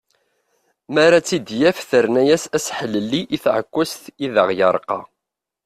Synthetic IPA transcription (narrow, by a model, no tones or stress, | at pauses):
maɾat͡sːid̪jæfθəɾnæjæsæsħələlːiʔiθʕə̰kʷːæsθiðəʁjəɾˤqɑ̰